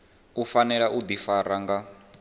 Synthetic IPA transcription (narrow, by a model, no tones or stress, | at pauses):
ufanɛɺaʔud̪ifaɾaŋɡa